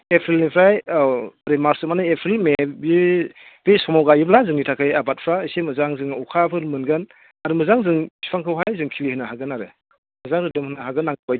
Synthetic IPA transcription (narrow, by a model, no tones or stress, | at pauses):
epʰelnipʰɾaj | ɾemaɾsɯmanɯepʰelmebi | b̥esɔmɔwɡajiblazɯŋnitʰakʰɯjabat̚pʰɾaisemɯzaŋzɯŋɔkʰapʰɯɾmɯnɡɯn | aɾɯmɯzaŋzɯŋsʰi̥pʰaŋkʰɯwɦajzɯŋkʰilihɯnaɦaɡɯnaɾɯ | mɯzaŋɾɯdɯmhɯnaɦaɡɯnːaŋɡɯbaj